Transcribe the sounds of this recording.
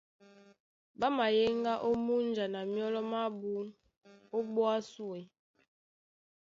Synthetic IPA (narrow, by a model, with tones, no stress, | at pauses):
ba˦ma˨je˦ŋɡa˦ʔo˦mu˦nd͡ʒa˨na˨mjɔ˦lɔ˦ma˦bu˦ | o˦bɔ˦a˦su˦e˨